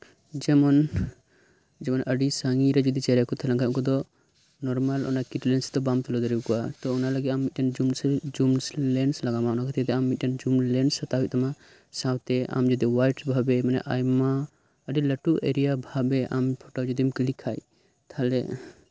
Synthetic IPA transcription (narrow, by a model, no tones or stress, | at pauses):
d͡ʒɛmɔn | d͡ʒɛmɔnʔəɖisaŋɡiɾɛd͡ʒud̪it͡ʃɛɾɛkɔt̪ʰɛlãŋkʰãkɔd̪ɔ | nɔɾmalʔɔ̰nakiʈlɛnsd̪ɔbamt̪ɔlɔd̪ɔɾikɔwat̪ɔɔnaləɡit̪̚amːit̪̚ˀʈand͡ʒumsd͡ʒumslɛnslaɡamaɔnakɛt̪ʰɛd̪ɛamːit̪̚ʈnd͡ʒumlɛnsat̪aɦiʔ̪̚t̪ʰama | sãwt̪ɛʔa̰md͡ʒɔd̪iwajʈbʱabɛmanɛ̰ʔajma | əɖiləʈuʔeɾijabʱabɛʔampʰɔʈɔd͡ʒɔd̪imklikʰaj | t̪ʰalɛ